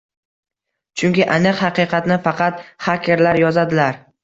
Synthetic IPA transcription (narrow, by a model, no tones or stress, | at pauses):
t͡ʃʰʊŋkʲɪʔanɨqhɑqɨqʰɑt̪nɪfɑqʰɑt̪χakʲʰe̞ɾlaɾjɒzad̪ɪlaɾ